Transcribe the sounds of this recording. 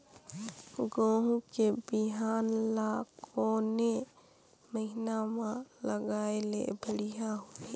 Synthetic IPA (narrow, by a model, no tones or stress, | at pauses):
ɡõːɦũkebiɦaːnlaːkʰone | məɦɪnamãləɡaːelḛbʱəɽijaɦue